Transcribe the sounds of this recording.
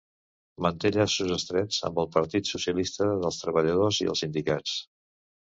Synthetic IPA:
mənt̪eʎasuzəst̪ɾɛd͡zə̰mbəlˠpəɾt̪it̪susiəlist̪əðəlˠst̪ɾəβəʎəðoziə̰lˠsind̪ikat͡s

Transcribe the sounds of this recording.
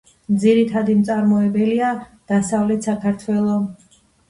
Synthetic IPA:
md̪ziɾit̪ʰad̪imt̪sʼaɾmɔɛbɛliad̪̥asavlɛt̪ʰsakʰaɾt̪ʰwɛlˠɔ

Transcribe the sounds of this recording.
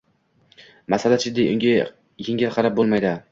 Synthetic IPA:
masalat͡ʃʰɪd̪ːejʊŋʲa | jɪŋʲɪlqʰɑɾap̚bolˠmajd̪ɪ

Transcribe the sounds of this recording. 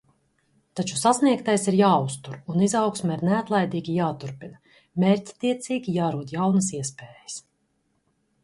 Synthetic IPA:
t̪at͡ʃu̥sasniɛkt̪ajsiɾjaːust̪uɾunizawksmaiɾneat̪lˠajd̪iːɡʲijaːt̪uɾpina | mʲeːɾtʲt̪iɛt̪siːɡʲijaːɾuɔd̪jawnəsiɛspeːjəs

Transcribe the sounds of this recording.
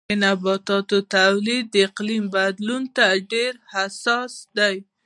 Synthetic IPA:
ənabɑt̪ɑt̪ot̪awlid̪ːəɪqlimbad̪lunt̪aɖeɾhasɑsd̪aj

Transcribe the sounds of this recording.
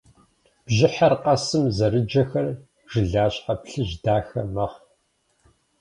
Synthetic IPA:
b̥ʒɪħɐrqɐsɨmzɐɾɨd͡ʒɐxɐr | ʒ̥ɨɮaːɕʼħapɬɨʒdaːxɐmɐʁ

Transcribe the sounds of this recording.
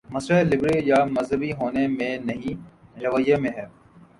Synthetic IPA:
mɐsɾalɪbɾijaːmɐzɦəbiɦoːnemẽnɐɦĩɾɐʋjemẽɦɛː

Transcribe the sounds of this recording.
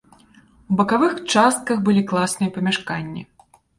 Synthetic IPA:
wbɐkavɨxt͡ʂast̪̚kɐxbɨlʲiklˠasnɨjɐpɐmʲaʂkanʲːḭ

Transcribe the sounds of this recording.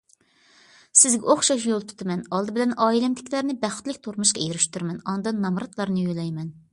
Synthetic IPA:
sɪzɡʲɛoχʃɑʃ̬jolˠt̪ʰu̥t̪ʰɨmɛnɑlˠd̪ɨbɪlɛnʔɑːilɛmd̪ʰɪ̥kʲlæɾnɪbæχt̪lɪkʲt̪ʰoɾmuʃqɑjeɾyʃt̪yɾmɛnɑnd̪ɑnːɑmɾɑt̪lˠɑɾnɨjylɛjmɛn

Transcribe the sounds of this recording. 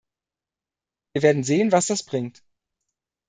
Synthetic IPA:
viːɐveːɐdn̩zeːənvasd̥asb̥ʁɪŋt

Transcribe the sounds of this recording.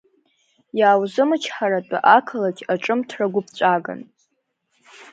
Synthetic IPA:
jaːwzɨmɨt͡ʃʰħaɾat͡pʼa̰ʔakʰalakʲʼaʈ͡ʂʼɨmtʰraɡʷʊp̚ʰt͡ɕʷʼaɡa̰n

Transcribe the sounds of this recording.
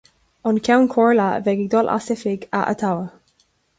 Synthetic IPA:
ɔnkʰawnkʰɔɹlavɛɡɪɡ̚d̪ɔlʔa̰sɪfɪɡa̰ʔə̰t̪ʰawə

